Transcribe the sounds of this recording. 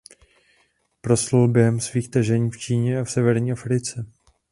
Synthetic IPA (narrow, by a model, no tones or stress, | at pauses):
pɾoslulbjɛɦɛmsviːxt̪ɛʒɛɲiːft͡ʃiːɲɛafsɛvɛɾɲiːʔafɾɪt͡sɛ